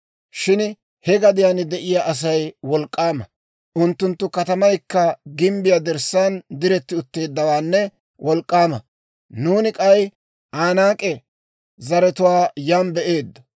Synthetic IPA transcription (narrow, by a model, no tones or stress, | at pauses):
ʃɪn | hɛɡɐd̪ɪjaːnɪd̪ɛʔɪjaːʔɐs̬ɐjwɔlkʼːaːmɐ̰ | ʔʊnt̪ːʊnt̪ːʊkɐt̪ɐmɐjkːɐɡɪmbɪjad̪ɛɾsaːnd̪ɪɾɛt̪ːɪʊt̪ːe̞ːd̪ːɐwaːnːɛ | wʔɔlkʼːaːmɐ̰ | nuːnɪkʼɐj | ʔaːnaːkʼɛ | zɐɾɛt̪ʊwaːjaːmbɛʔe̞ːd̪ːɐ